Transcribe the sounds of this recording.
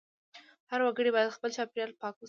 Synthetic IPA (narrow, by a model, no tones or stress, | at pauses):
haɾwaɡəɽibɑjad̪xpəlt͡ʃɑpiɾjɑlpɑk